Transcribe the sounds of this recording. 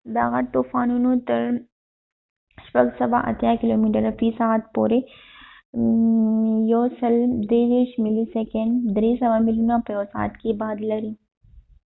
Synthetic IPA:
b̪aːɣɐɾt̪uːfaːnunõt̪ɐɾ | ʃpɐɡsɐba̰ʔɐ̰t̪ʰjakɪloːmiːʈəɾɐfiːsaːt̪poːɾe | joːsɐld̪eːd͡ʒeːʃmilisekeɳɖd̪ɾiːsɐʋamɪlinãpɐjoːsa̰ːt̪kibaːd̪lɐɾiː

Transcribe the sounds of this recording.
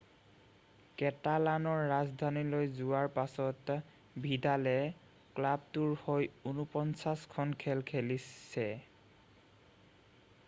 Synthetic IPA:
kɛtalanɔɹːazdʱanilojzʊwaɹpasɔt | bʱidalɛ | klab̚tuɹhojunupɔnsaskʰɔnkʰɛlkʰelisɛ

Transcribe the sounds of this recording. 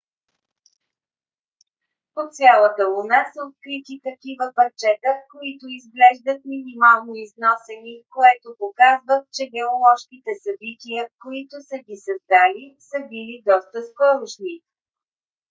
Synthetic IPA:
pot̪sʲjalˠət̪əlonasəot̪̚kɾit̪it̪ɐkivəpɐɾt͡ʃɛt̪əkoit̪oizɡlɛʒd̪ət̪̚minimalˠnoiznɔsɛnikoɛt̪opokazvəxt͡ʃɛɡɛolˠɔʃkit̪ɛsɐbit̪ʲiəkoit̪ʊsəɡʲisɐzd̪alisəbilid̪ɔst̪əskɔɾoʃni

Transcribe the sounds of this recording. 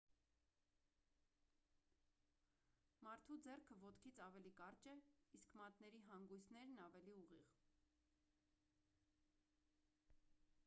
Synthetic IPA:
mɑɾt̪ʰud͡zɛrkʰəvɔt̪kʰit͡sʰɑvɛlikɑrt͡ʃɛiskʰmɑt̪nɛɾiɦɑŋɡujsʰnɛɾnɑvɛliuʁiʁ

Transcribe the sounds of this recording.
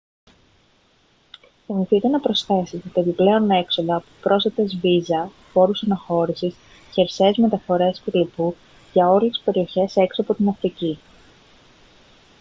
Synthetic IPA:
θimiθit̪e̞nɐpɾo̞sθe̞sit̪ɐe̞piple̞o̞ne̞kso̞ðɐpɾo̞sθɐt̪ezvizɐ | fo̞ɾusɐnɐxo̞ɾisis | çeɾseːzme̞t̪ɐfo̞ɾe̞spetlipu | ʝɐo̞lii̥spe̞ɾio̞çe̞se̞ksiɐpo̞t̪inɐft̪ici

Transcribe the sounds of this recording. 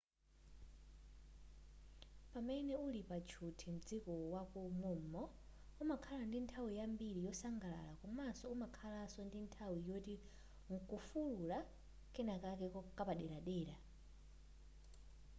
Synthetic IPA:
pamɛnɛulipat͡ʃʰutʰim̩d͡zikɔwakumumɔ | umakʰalandintʰawijambiɾijɔsaŋɡala̰lakɔmasɔumakʰalasɔndintʰawijoti | ŋ̩kufulula | kɛnakakɛkɔkapaɗɛɾaɗɛːɾa

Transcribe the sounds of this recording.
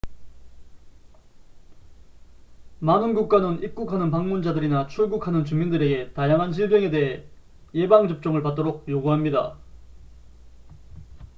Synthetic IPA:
manɯnɡuk̚k͈anɯnik͈ukʰanɯnpaŋmund͡ʑadɯɾinat͡ɕʰuɭɡukʰanɯnt͡ɕumindɯɾe̞ɡe̞tajaŋɦanɕʰiɭdweŋe̞de̞ɦe | je̞baŋd͡ʑʌp̚t͡ɕ͈ʌŋɯɭpat̚t͈oɾok̚joɡuɦamɲida̰

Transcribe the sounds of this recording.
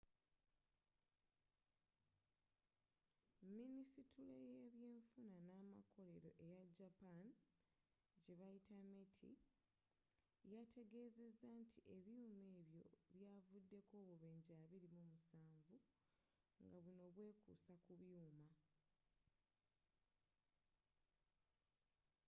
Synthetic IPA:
minisitulejeβje̞ːɱfunanaːma̰kʰo̞le̞ɾo̞̰ʔe̞jaɟapan | ɟe̞βajitametʰḭ | jatʰe̞ɡe̞ːze̞zːantʰiʔe̞βjuːme̞ːβjo̞̰βjaːvudːe̞ko̞ːβuβeːɲɟaːβiɾimumusaːɱvu | ŋɡaβuno̞βwe̞ːkṵsakuβjuːma

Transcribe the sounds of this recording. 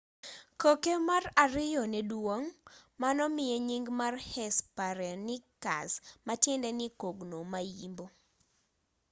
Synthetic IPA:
kokemaraɾɪjɔnedwoŋmanɔmɪjeɲiŋɡmarhɛspaɾɛnɪka̰smatjɛndɛnɪkoɡnomajimbo

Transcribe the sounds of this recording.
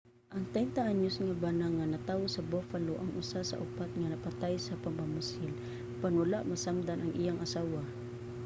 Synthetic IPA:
ʔɐŋt̪ɛnt̪aʔaɲʊsŋabanaŋanɐt̪aːwosɐbofaloʔɐŋʔʊsasɐ̰ʔʊpat̪̚ŋanɐpat̪ajsɐpaɡbamʊsɪl | panwalaʔmɐsamd̪anʔɐŋʔijaŋʔɐsaːwa

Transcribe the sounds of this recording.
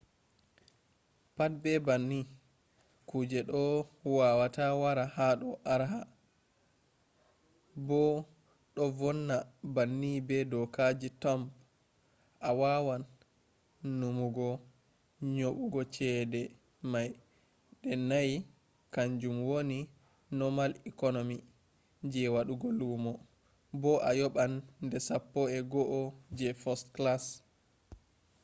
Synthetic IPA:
pat̚bɛbanːi | kud͡ʒɛɗɔwawatawaɾahaɗɔʔaɾɦa | bɔ | ɗɔvɔnːabanːibɛdɔkad͡ʒitɔmp | ʔawawanː | umuɡɔ | ɲoɓuɡɔt͡ʃɛːdɛ | maj | ɗɛnaj | kaɲd͡ʒumwoni | nɔmalikɔnomi | d͡ʒɛwaɗuɡɔlumɔ | bɔʔajɔɓanːdɛsapːɔɛɡɔʔɔd͡ʒɛfɔstklas

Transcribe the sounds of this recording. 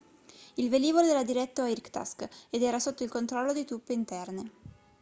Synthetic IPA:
ilveliːvoleɛːɾad̪iɾɛt̪ːoairkt̪a̰sked̪ɛːɾasot̪ːoilkont̪ɾɔlːod̪it̪upːeint̪ɛrne

